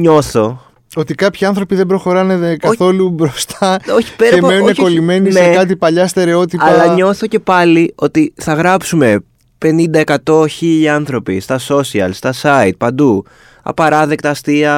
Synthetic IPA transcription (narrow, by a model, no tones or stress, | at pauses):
ɲo̞θo̞ | o̞t̪ikɐpçiɐnθɾo̞piðembɾo̞xo̞ɾɐnekɐθo̞lubɾo̞st̪ɐoçi̥peɾɐeenunekolime̞ninekɐt̪ipɐʎɐst̪e̞ɾe̞o̞t̪itɐlɐɲo̞θo̞ce̞pɐlio̞t̪iθɐɣɾɐpsume̞ | pe̞nind̪ɐe̞kɐt̪o̞çiʎiɐnθɾo̞pist̪ɐso̞siɐ̰lst̪ɐsɐit̪̚pɐnd̪u | ɐ̰pɐɾɐðe̞k̚t̪ɐːst̪iɐ